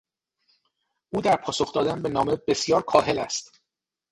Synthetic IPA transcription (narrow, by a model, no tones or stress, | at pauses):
ʔuːd̪æɾpʰɒːso̞xd̪ɒːd̪ænbe̞nɒːme̞be̞sjɒːɾkʰɒːɦe̞læ̰st̪